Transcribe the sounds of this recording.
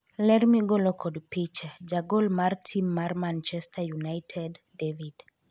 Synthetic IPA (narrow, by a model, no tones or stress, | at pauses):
lɛrmiɡolokʰɔdpit͡ʃd͡ʒaɡolmartʰimːarmant͡ʃɛstʰajunajtʰɛdːevid